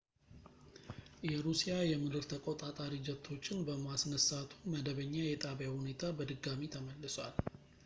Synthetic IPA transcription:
jɛɾusijajɛmɨd̪ɨɾt̪ʰəkʼot̪ʼat̪ʼaɾid͡ʒɛt̪ʰːo̞t͡ʃːɪnbəmasnəsat̪ʰuməd̪əβəɲːajɛt̪ʼaβjahune̞t̪ʰabəd̪ɨɡːamit̪ʰəməlːɨswal

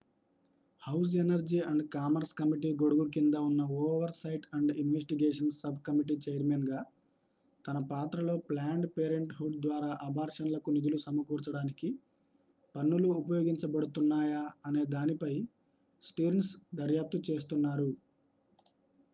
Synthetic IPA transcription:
hɐws̬enɐɾd͡ʒiːɐɳɖkaːmɐɾskɐmiʈiːɡo̞ɽuɡuk̬ind̪ɐunːɐoːʋɐɾsɐjʈɐɳɖinʋesʈiɡeːʂɐnsɐbʱkɐmiʈ̬iːt͡ʃejɐɾmenɡaː | t̪ɐnɐpaːt̪ɾɐlo̞ːplaːɳɖpeːɾeɳʈɦuɖ̚d̪ʋaːɾaːʔɐbʱaːɾʂɐnlɐkunid̪ulusɐmɐkuːɾt͡ʃɐɽaːniki | pɐnːuluːpɐjoːɡiɲt͡ʃɐbɐɽut̪unːaːjaːne̞ːd̪aːnipɐj | sʈuːɾensd̪ɐɾjaːp̚t̪ut͡ʃe̞ːs̬t̪unːaːɾu

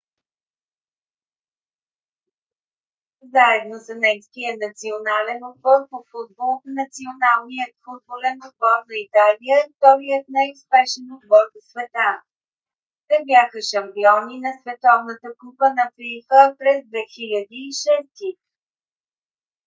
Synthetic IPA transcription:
zaɛd̪nosənɛjskijənɐt̪sionalɛnod̪bɔɾfʊfud̪̚bolˠnɐt̪sionalˠnijət̪fud̪̚bolɛnod̪̚bɔɾnəit̪alijət̪ɔɾijət̪̚najʊspɛʃɛnod̪bɔɾd̪əsvɛt̪a | t̪ɛbjaxəʃɐmpiɔninɐsvɛt̪ɔvnət̪əkupənɐpixəpɾɛzd̪vɛxilʲəd̪iːʃɛst̪i

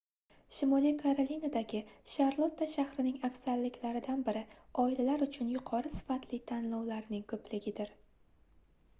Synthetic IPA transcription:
ʃɪmɒlijkʰaɾolinad̪aɡʲɪʃaɾlˠot̪ʰːaʃahɾɪnɪŋafsaɾlɪkʲʰlaɾɪd̪anbɪɾɪɒilalaɾʊt͡ʃʰʊnjʊqʰɒɾɨsɪ̥fat̪lɪt̪ʰanlɒwlaɾnɪŋkʰɵplɪɡʲɪd̪ɪɾ

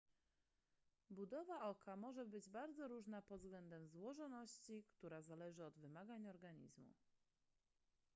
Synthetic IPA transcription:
bud̪ɔvaʔɔkʰamɔʐɛbɘd͡ʑbaɾd̪zɔɾuʐnapɔd̪vzɡlɛnd̪ɛmzwɔʐɔnɔɕt͡ɕikt̪uɾazalɛʐɘɔd̪vɘmaɡaɲɔɾɡaɲḭzmṵ

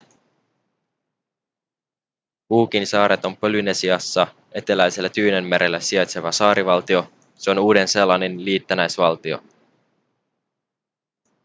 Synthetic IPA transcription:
puːk̟insɑːɾe̞t̪o̞mpø̞lyne̞siɑsːɑ | e̞t̪e̞læjse̞lːæt̪yːne̞mːeɾʔe̞lːæsiɑjt̪se̞ʋɑsɑːɾiʋɑlt̪io̞ | se̞o̞nuːde̞nse̞lɑnenliːt̪ːænæjsʋɑlt̪io̞̰

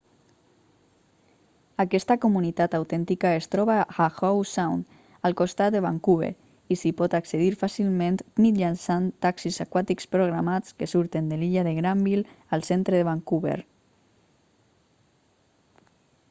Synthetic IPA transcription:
akɛst̪akomunit̪at̪awt̪ɛnt̪ikaest̪ɾɔβaaxɔwsawn | alˠkost̪at̪d̪eβaŋkuβḛɾ | isipɔt̪akseðiɾfasilmẽnt̪mid͡ʒansant̪aksizakwat̪ikspɾoɣ̞ɾamat͡skesuɾt̪end̪eliʎaðeɣɾambil | alˠsent̪ɾeðeβaŋkuβḛɾ

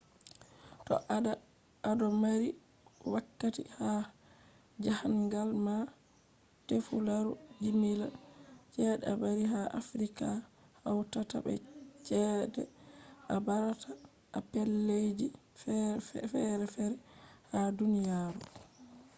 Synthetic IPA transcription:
tɔ̰ʔa | adɔmaɾi | wakːatḭha | d͡ʒahaŋɡalma | tefulaɾud͡ʒimilat͡ʃɛdɛabaɾiɦaʔa̰fɾika | hawtata̰bɛ̰t͡ʃɛdɛ̰ʔabaɾatʰaː | pɛlːed͡ʒi | fɛɾɛfɛɾɛhadunijaːɾu

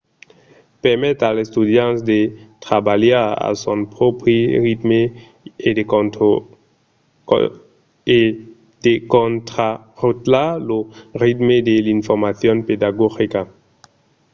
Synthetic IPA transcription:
pɛʁmɛt̪alest̪ud̪jãntd̪et̪ʁabaljaʁa̰sõnpʁɔpɾeʁit̪me | ed̪e | e | d̪̥ekõnt̪a | ʁut̪laloʁit̪med̪elinfɔʁmaθjɔ̃nped̪aɡɔxika

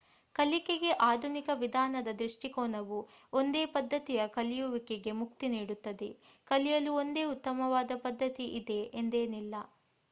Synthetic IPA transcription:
kɐlikeɡe̞ʔaːd̪ʱunikɐʋid̪ʱaːnɐd̪ɐd̪ɾiʂʈikɔːnɐʋu | o̞nd̪e̞ːpɐd̪ːɐt̪ijɐkɐlijuʋikeɡe̞mukt̪iniːɽut̪ːɐd̪e | kɐlijɐluo̞nd̪e̞ːut̪ːɐmɐʋaːd̪ɐpɐd̪ʱːɐt̪iʔid̪e̞end̪e̞ːnilːɐ

